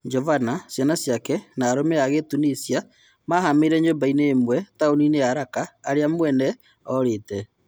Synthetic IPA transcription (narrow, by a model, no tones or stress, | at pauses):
ɲd͡ʒɔvanasjanasjakɛnaːɾomeaɣetunisia | mahameɾɛɲombaineːmwɛtaonineaɾakaːɾeamwɛnɛ | ɔɾeːtɛ